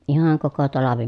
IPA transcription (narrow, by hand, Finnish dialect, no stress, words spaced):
ihɑŋ koko tɑlɑʋi